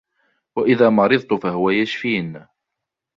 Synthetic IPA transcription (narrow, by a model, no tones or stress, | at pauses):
waʔɪðaːmɑɾɨðˤt̪ʊfaɦʊwajaʃfiːn